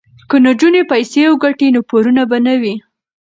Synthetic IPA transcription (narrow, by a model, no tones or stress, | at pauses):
kənad͡ʒunepajsewəɡaʈinopoɾunabanawi